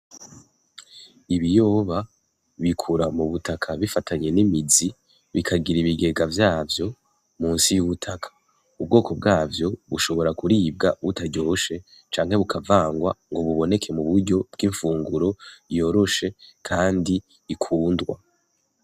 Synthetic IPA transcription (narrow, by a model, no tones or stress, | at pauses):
iβijo̞ːβa | βikʰuɾamuβutakʰaβifatʰaɲe̞nimizi | βikʰaɡiɾiβiɡe̞ɡavjaːvjo̞ | muːnsijuβutʰakʰḁ | ub̚ɡo̞ːkʰo̞b̚ɡaːvjo̞βuʃo̞βo̞ɾakuɾiːb̚ɡaβutaɟo̞ʃe̞ | t͡ʃaːŋhe̞βukʰavaːŋɡwaŋɡo̞βuβo̞ne̞kʰe̞muβuɾɟo̞b̥̚ɡiɱfuːŋɡuɾo̞jo̞ɾo̞ʃe̞kʰaːndiː | kʰuːndɡwa̰